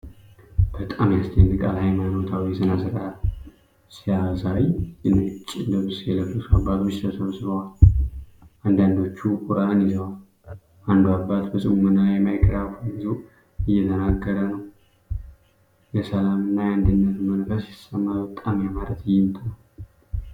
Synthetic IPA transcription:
b̥ət̪ʼamjast̪ʰənɨkʼa̰lhajmajbo̞t̪ʰawijɛsʰənazəɾaal | sijasawijɨnːat͡ʃʼːɪnd̪əβɨsjɛləfusabːat̪ʰot͡ʃːt̪ʰəsəβsɨβəwal | and̪and̪o̞t͡ʃːukʼʊɾanjɪzəwal | ʔand̪uabːat̪bəsʼɨmumɨnːalajɛmajkʰʼəɾafəbɨzu | ɨjːɛt̪ʰənaɡːəɾənəw | jɛsəlamɨnːajɛand̪ɨnːət̪mənfəsɪsəmːabət̪ʼamjamaɾət̪ɨjːɪmt̪ʰʼnəw

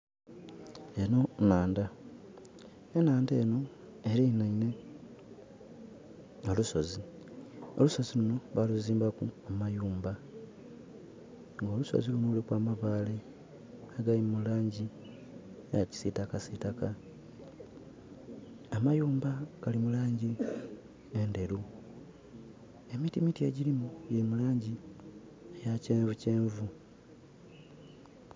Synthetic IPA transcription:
eno̞naːnda | enaːnde̞ːno̞ | e̞ɾinaine̞ | oluso̞zi | o̰luso̞ziluno̞βaluziːmbakuamajuːmba | ŋɡo̞ːluso̰zilunoulikwaːmaβaːle | aɡalimulaːɲɟi | ejaci̥sitakasitaka | amajuːmbaɡ̥alimulaːɲɟi | ende̞ɾu | e̞mitimitie̞ɟilimuɟelimulaːɲɟi | ejaceːɱvuce̞ːɱvu

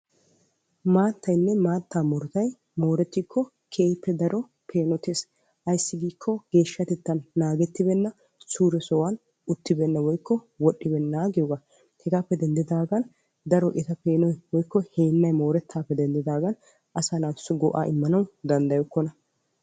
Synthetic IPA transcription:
maːt̪ːɐjnːɛmaːt̪ːaːmɔɾt̪ɐj | mo̞ːɾɛt̪ːikːɔ | kʰeːjpːɛd̪ɐɾɔ | pʰe̞ːnɔt̪eːs | ʔɐjsːɪɡiːkʰːɔɡ̥e̞ːʃːɐt̪ɛt̪ːɐnːaːɡɛt̪ːɪbɛnːɐ | suːɾɛsɔwɐn | ʊt̪ːɪbɛnːɐwɔjkːɔ | wɔɗːɪbɛnːaːɡɪjɔɡa | hɛɡaːpːɛd̪ɛnd̪ɪd̪aːɡɐn | d̪ɐɾɔʔɪt̪ɐpe̞ːnɔjwɔjkːɔheːnːɐjmo̞ːɾɛt̪ʰːaːpːɛd̪ɛnd̪ɪd̪aːɡɐn | ʔɐsanaːɪsːɔɡɔʔa̰ːʔɪmːɐnɐwd̪ɐnd̪ɐjɔkːɔnɐ

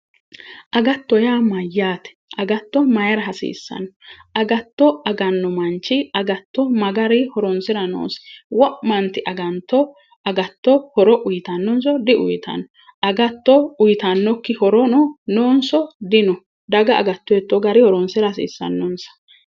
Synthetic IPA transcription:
ʔɐɡɐt̪ːɔjaːmɐjːaːt̪ɛ̥ʔɐɡɐt̪ːɔmɐjɐɾɐɦɐsḭːsːɐ̰nɔʔɐɡɐt̪ːɔɐɡɐnːɔmɐnt͡ʃːɪɐɡɐt̪ːɔmɐɡɐɾɪhɔɾɔnsɪɾɐno̰ːsɛ̥wɔʔmɐnt̪ɪʔɐɡɐnt̪ːɔ | ʔɐɡɐt̪ːɔhɔɾɔʔʊjɪt̪ɐnːɔns̬ɔd̪ɪʊ̰jt̪ʰɐ̰nɔ | ʔɐɡɐt̪ːɔʊjɪt̪ɐnːɔkːɪhɔɾɔnɔnoːnsɔd̪ɪnɔ | d̪ɐɡɐɐ̰ɡɐt̪ːɔjɛt̪ːɔɡɐɾɪhɔɾɔnsɪɾɐsḭːsːɐ̰nːɔnsɐ̥

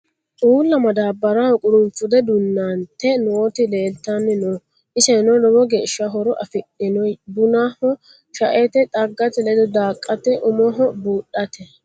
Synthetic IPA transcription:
ʔʼuːlːɐmɐd̪aːbːɐɾahɔkʼʊɾʊnfʊd̪ɛd̪ʊnːant̪ːɛnoːt̪ɪleːlt̪ːanːɪno | ʔɪsɛnɔlɔbɔɡeːʃːɐɦɔɾɔʔɐfɪɗɪnɔjbʊnahɔ | ʃɐʔɛt̪ɛt̪ʼɐɡːɐt̪ɛlɛd̪ɔd̪aːkʼːɐt̪ɛʔʊmɔɦɔbuːɗɐt̪ɛ

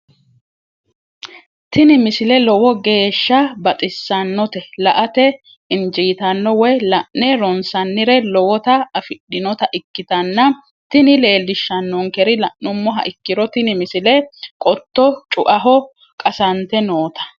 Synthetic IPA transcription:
t̪ɪnɪmɪsɪlɛlɔwɔɡe̞ːʃːɐbɐt̪ʼɪsːɐnːɔt̪ɛlɐʔɐt̪ɛ | ɪnd͡ʒiːt̪ɐnːɔwɛjlɐʔːɛɾɔnsɐnːɪɾɛlɔwɔt̪ɐɐfɪɗːɪnɔt̪ɐʔɪkːɪt̪ɐnːɐ | t̪ɪnɪle̞ːlːɪʃːɐnːʊŋkɛɾɪlɐʔnʊmːɔɦɐ̰ʔɪkːɪɾɔt̪ɪnɪmɪsɪlɛkʼɔt̪ːɔt͡ʃʼʊʔɐɦɔ | kʼɐsɐnt̪ɛnoːt̪ɐ̥

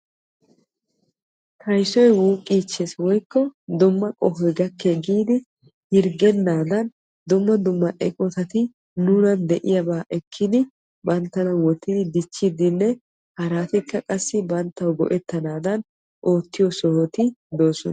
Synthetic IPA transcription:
t̪ʰɐjsɔjwuːkʼiːt͡ʃːeswɔjkːɔd̪ʊmːɐkʼɔhɔjɡɐkːeɡiːd̪ɪ | hɪɾɡɛnːaːd̪ɐn | d̪ʊmːɐd̪ʊmːɐʔɛkʼɔt̪ɐt̪ɪ | nuːnɐnd̪ɛʔɪjɐbaːʔɛkʰːɪd̪ɪ | bɐnt̪ːɐnɐwɔt̪ːɪd̪ɪd̪ɪt͡ʃːɪd̪ɪnːɛ | hɐɾaːt̪ɪkːɐkʼɐsːɪbɐnt̪ːɐwɡɔ̰ʔɛt̪ːɐnaːd̪ɐn | ʔo̞ːt̪ːɪjɔsɔhɔt̪ɪd̪o̞ːsɔn

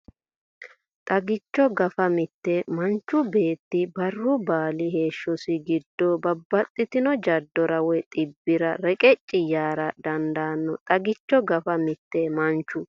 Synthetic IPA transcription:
t̪ʼɐɡɪt͡ʃːɔɡɐfɐmɪt̪ːɛmɐnt͡ʃːʊbe̞ːt̪ːɪbɐrːʊbaːlɪhe̞ːʃːɔsɪɡɪd̪ːɔbɐbːɐt̪ʼːɪt̪ɪnɔd͡ʒɐd̪ːɔɾɐwɛt̪ʼɪbːɪɾɐɾɛkʼɛt͡ʃʼːɪjaːɾɐd̪ɐnd̪aːnːɔt̪ʼɐɡɪt͡ʃːɔɡɐfɐmɪt̪ːɛmɐnt͡ʃːʊ

